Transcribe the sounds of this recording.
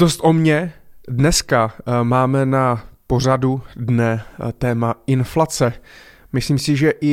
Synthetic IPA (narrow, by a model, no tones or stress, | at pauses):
dost̪ʔomɲɛdnɛskamaːmɛnapo̞r̝adudnɛt̪ɛːmaʔɪnflat͡sɛmɪsliːmsɪʒɛʔɪ